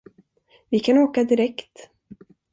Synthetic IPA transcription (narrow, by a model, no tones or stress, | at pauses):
vɪkʰanoːkad̪ɪɾɛkt̪